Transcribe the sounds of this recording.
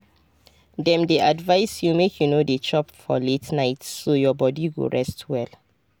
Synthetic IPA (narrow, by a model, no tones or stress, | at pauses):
dɛ̃mdiʔadvaɪsjumekʰjunodət͡ʃɔpfɔ̰letnaɪtːojɔbɔdiɡo̰ɹɛstʰwɛl